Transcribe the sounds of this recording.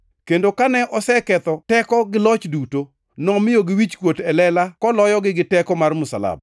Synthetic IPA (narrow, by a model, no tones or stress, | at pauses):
kendokanɛʔɔsɛkɛt̪ɔtɛkɔɡɪlɔt͡ʃduto | nɔmɪjoɡɪwit͡ʃkwotɛlɛlakɔlɔjɔɡɪɡɪtɛkɔmarmʊsa̰la̰b̚